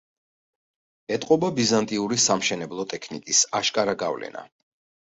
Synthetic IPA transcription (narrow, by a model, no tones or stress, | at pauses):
ɛt̪ʼqʼɔbabizant̪ʼiuɾisamʃɛnɛblˠɔt̪ʼɛkʰnikʼisaʃkʼaɾaɡavlɛ̰na̰